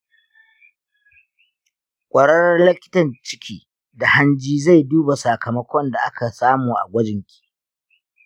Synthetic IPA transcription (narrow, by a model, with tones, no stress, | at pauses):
kʷʼɐ˨ɽɐ˦rɐ˦rlɪ˦kʲɪ̥˦tɐ˨nt͡ʃɪ̥˦kʲʰiː˦ | da˨ha˦nd͡ʒiː˦za˦˨jduː˦ba˨sa˨kɐ˨mɐ˦kʷɔ˦nda˨ʔa˦kʰa˨saː˦muː˨ʔa̰˨ɡʷɐ˦d͡ʒɪ˨ŋkʲi̥ː˨